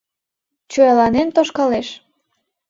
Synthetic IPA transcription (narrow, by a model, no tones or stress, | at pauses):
t͡ɕojɑlɑnent̪oʃkɑleʃ